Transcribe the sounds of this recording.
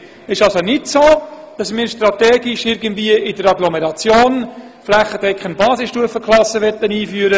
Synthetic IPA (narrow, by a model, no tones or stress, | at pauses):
ɪʃɑlsonɪtsoː | d̥ɑsmɪːɾʃtɾɑt̪ɛːɡɪʃɪɾɡəntviəɪdəɾɑɡlɔmɛɾɑt͡sjoːn | flæχːədɛkχənbɑːsɪsʃtuəfəkʰlɑsəʋɛt̪ːəniːfyəɾə